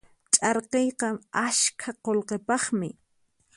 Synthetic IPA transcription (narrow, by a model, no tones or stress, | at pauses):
t͡ʃʼɑɾqejqɑmaʃkʰaqolqepɑχmɪ